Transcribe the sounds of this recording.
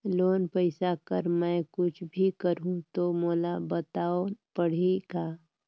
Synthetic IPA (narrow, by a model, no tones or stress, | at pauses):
loːnpəɪsakəɾmɛ̃kʊt͡ʃʰbʱikəɾɦũt̪omoːlabət̪aːopəɽ̤eɡaː